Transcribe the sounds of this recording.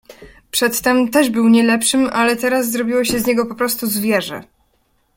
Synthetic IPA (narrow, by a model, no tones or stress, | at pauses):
pʂɛt̪ːɛmt̪ɛʐbɘwɲɛlɛpʂɘmalɛt̪ɛɾas̬ːɾɔbʲiwɔɕɛzɲɛɡɔpɔpɾɔst̪uzvʲjɛʐɛ̰